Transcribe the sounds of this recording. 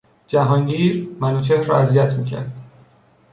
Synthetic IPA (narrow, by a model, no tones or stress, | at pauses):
d͡ʒæɦɒːŋɟiːɾmænuːt͡ʃʰeɾɒ̰ːæzijæt̪ʰmiːcʰæ̰ɾd̪̥